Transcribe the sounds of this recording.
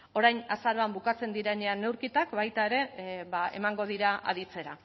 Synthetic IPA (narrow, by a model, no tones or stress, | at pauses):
o̞ɾajnasaɾoambukat͡se̞nd̪iɾeneane̞wɾkit̪akβajt̪ae̞ɾe̞βae̞̰maŋɡo̞ð̞iɾaʔa̰ðit͡se̞ɾa